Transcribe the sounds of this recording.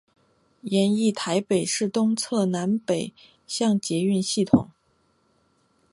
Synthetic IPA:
jɛ˧˥ni˥˩t̪ʰa˧˥ɪpe˨˩ɪʂɻ̩˥˩t̪ʊ˥ŋt͡sʰɤ˥˩na˧˥npe˨˩ɪ | ɕjɑ˥˩ŋt͡ɕjɛ˧˥y˥˧nɕi˥˩t̪ʰʊ̰˨˩˦ŋ

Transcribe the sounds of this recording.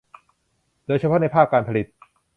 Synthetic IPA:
d̥oː˧jt͡ɕʰa˧pʰɔ˦˥na˧jpʰaː˥˩kːaː˧npʰa˧li˨˩t̪̚

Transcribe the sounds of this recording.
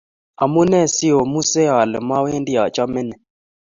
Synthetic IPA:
a˨mu˦nɛ˦˨si˦o˨mu˦se˦a˨lɛ˨ma˦we˦ndi˦a˨t͡ʃa˦mɛ˦nɛ˨

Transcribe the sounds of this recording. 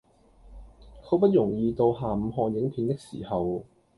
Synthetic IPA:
kʰɵ˨˧˥pɐ˥t̚jʊ˨˩ŋjiː˨˧t̪o˧whaː˨˩m̩˨˧ɦɔː˧njɪ˨˥ŋpʰiː˨˧nt̪ɪ˥k̚sḭː˨˩hɐ˨w

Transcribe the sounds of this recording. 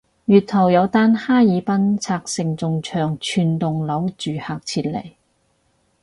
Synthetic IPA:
jyː˨˩t̚t̪ʰɐ˨˩wjɐ˨˧wt̪aː˥nhaː˥jiː˨˧pɐ˥nt͡sʰaː˧k̚sɪ˨ŋt͡sʊ˨ŋt͡ʃʰœː˨˩ŋt͡ʃʰyː˨nt̪ʊ˨ŋlɐ˨˥wt͡ʃyː˨haː˨k̚t͡sʰiː˧t̚lɐ̰˨˩j

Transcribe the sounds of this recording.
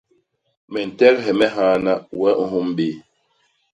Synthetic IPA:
mɛ˨n̩˨tɛ˦ɾɦɛ˨mɛ˦ɦaː˦na˦wɛ˦ʔ̩˦ɦu˦m˦ɓe˨˦

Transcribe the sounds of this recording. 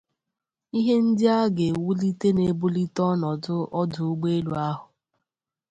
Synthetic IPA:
i˦ɦe˦n̩˦dɪ˦a˦ɡe˨wu˦li˦te˦ne˨˦bu˦li˦tɔ˦nɔ˨dʊ˦ʔɔ˦dʊ˨ʊ˦ɡ͡be˦lu˨a˦ɦʊ˨

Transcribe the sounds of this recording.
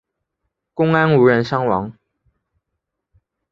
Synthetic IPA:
kʊ˥ŋa˥nu˧˥ɻə˧˥nʂɑ˥ŋwɑ˧˥ŋ

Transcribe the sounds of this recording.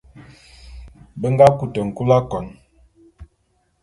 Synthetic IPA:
bə˦ŋ˦ɡa˦ku˨tə˨ŋ̩˨ku˦la˦kɔ˨n

